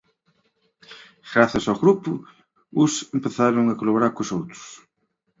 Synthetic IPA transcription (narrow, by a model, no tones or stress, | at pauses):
ɣ̥ɾaθɐsawɣɾupʊ | ʊsempeθaɾʊŋɐkolaβoɾaɾkʊsowt̪ɾʊ̥s